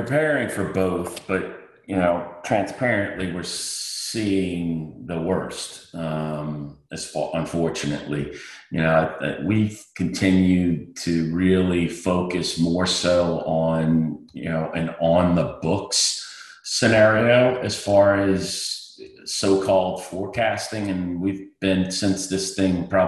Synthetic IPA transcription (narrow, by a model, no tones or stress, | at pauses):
pʰɹ̥ɨpʰɛɹɪ̃ŋfə˞boʊθb̥ʌt̚ | jɨnoʊtʰɹ̥æ̃nspʰɛɹɨ̃nʔliwɪɹsiɪ̃ŋðəwɜ˞stʌ̃mɨz̥ɔʔə̃ɱfɔɹt͡ʃɨnɨ̰ʔˡlijɨnoʊ̰wikʰɨ̃n̩tʰɪ̃njʉd̚tʰɨɹɪlˠifoʊkɨsmɔɹsoʊʔə̃njɨ̰noʊʔɨ̃nə̃nðəbʊks | sɨnɛɹioʊʔɨz̥fɑɹɨz̥ | soʊkʰɔlˠd̥fɔɹkʰæstɪ̃ŋɨ̃nwivbɪ̃nsɪ̃nsðɪsθɪ̃ŋpʰɹ̥ɑ